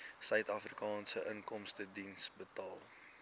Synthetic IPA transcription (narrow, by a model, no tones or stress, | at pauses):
sœɥtɐfrikɑːnsəʔəŋkɔmstədinsbətɑːlˠ